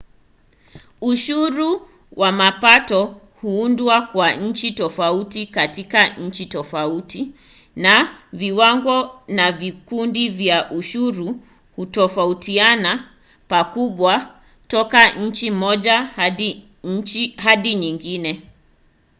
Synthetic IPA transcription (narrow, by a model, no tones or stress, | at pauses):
uʃuɾu | wamapatɔ | huundwakwaɲ̩t͡ʃitɔfautikatikaɲ̩t͡ʃitɔfauti | naviwaŋɡɔnavikundivjaʔuʃuɾu | hutɔfautʰiana | pakuɓwa | tɔkaɲ̩t͡ʃimɔʄa | ɦaɗiɲiŋɡinɛ